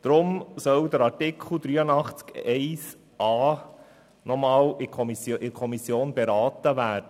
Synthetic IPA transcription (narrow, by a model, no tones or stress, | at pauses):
d̥̪ɾʊmsœwd̪əɾɑɾtɪkʰl̩ˠd̪ɾyːənɑχt͡skɛɪs | ʔɑː | nɔmɑːlɪkʰɔsɪkʰɔmisjoːnbeɾɑːt̪əʋæːɾd̥ə